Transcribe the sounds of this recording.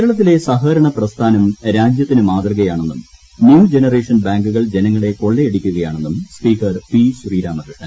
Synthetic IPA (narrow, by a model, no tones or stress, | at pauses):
keɾɐɭɐt̪̬ːile̞sɐɦɐɾɐɳɐprɐst̪ʰaːnɐmɾaːd͡ʑjɐt̪ːinɨmaːt̪rɨɣɐjaːɳe̞nːum | njuːd͡ʑe̞nɐreːʂɐnbaːŋɡuɣɐɭd͡ʑe̞nɐŋːɐɭe̞ko̞ɭːeeɽikʲːuɣɐjaːɳe̞nːumspiːkɐrpisuriːɾaːmɐdɐʈːɐn